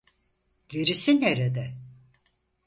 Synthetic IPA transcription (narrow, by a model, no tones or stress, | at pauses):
ɟ̥eɾisinheɾed̪ɛ